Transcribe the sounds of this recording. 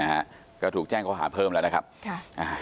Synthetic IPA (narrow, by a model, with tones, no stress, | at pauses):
aː˨˩ | kɔː˨˦t̪ʰu˨˩ək̚t͡ɕɛː˧ŋkɔ˨˧˦ɦaː˧˩˦pʰəː˧ml̰ːn˨˦kʰaː˦˥p̚ːʔaː˨˩